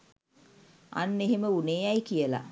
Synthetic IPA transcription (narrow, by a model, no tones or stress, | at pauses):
a̰nːeɦeməuneːajkijəla̰